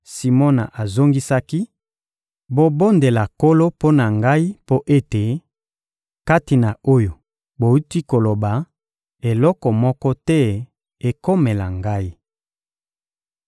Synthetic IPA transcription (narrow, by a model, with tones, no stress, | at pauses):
si˨mo˦na˨ʔa˨zo˦ŋɡi˦sa˦ki˦ | bo˨bo˦nde˨la˨ko˦lo˦po˦na˨ŋɡa˦i˦po˦ʔe˦te˨ | ka˦ti˨na˨o˦jo˨ | bo˨ju˦twi˦ko˨lo˨ba˨ | e˨lɔ˦kɔ˨mɔ˦kɔ˦tɛ˦ | e˨ko˦me˨la̰˨ŋɡa˦i˦